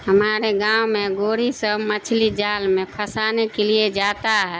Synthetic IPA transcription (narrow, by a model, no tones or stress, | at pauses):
həmaːɾeɡãːwmẽɡoːɽisə̃mət͡ʃʰlid͡ʒaːlmẽpʰəsaːnekelied͡ʒaːt̪aɦɛ